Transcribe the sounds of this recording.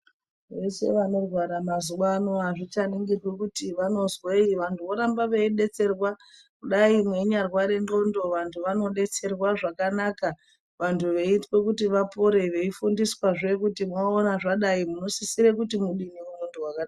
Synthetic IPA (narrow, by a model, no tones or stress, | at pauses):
ʋe̞se̞̰ʋano̞rwaɾamazuʋaːnoɦaʐit͡ʃaniŋɡirwekutiʋano̞zweiʋantʰuʋo̞ɾambaʋeiɗe̞t͡se̞rwakuɗaimwe̞ɲarwaɾe̞ndo̞ndo̞ʋantʰuʋano̞ɗe̞t͡se̞rwaʐakanaka | ʋantʰuʋe̞itwe̞kutiʋapoɾe̞ʋe̞ifundiswaʐe̞kutimoonaʐaɗaimuno̞sisiɾekutimuɗiniuno̞ndowakada